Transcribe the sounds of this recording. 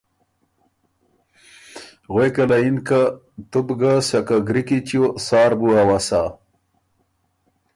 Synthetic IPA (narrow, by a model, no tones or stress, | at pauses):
ɣwekɐlainka | t̪ubɡasakaɡɾikit͡ɕosaːɾbuawasa